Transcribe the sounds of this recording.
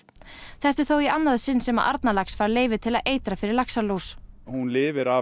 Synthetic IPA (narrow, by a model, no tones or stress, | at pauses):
θɛht̪ʏ̥θowianːaðsɪnːsɛma̰ʔa̰ɾt̪nalaksfaːɾleːjvɪt̪ʰɪlaðʔeːjt̪ɾafɪɾɪɾlaksalowshunlɪːvɪɾa